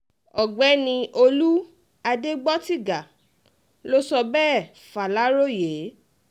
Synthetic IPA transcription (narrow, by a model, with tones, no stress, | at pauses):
ɔ˨ɡ͡bɛ˨˦nĩ˧ʔo˧lu˦ | a˧de˦ɡ͡bɔ˦ti˦˨ɡa˨ | lo˦sɔ˧bɛː˦˨ | fa˨la˨˦ɾo˦je˨˦